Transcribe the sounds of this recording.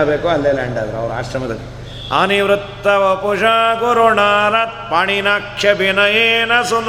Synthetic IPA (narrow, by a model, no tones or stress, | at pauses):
beːkuɐlːeːlaːɳɖaːd̪ɐɾuɐ̰ʋɐɾua̰ːʃɾɐmɐd̪ɐlːi | ɐ̰niʋɾut̪ːɐʋɐpud͡ʒaːɡuɾoɳaːɾɐt̪̚paːɳinaːkʂɐbʱinɐjeːnɐsun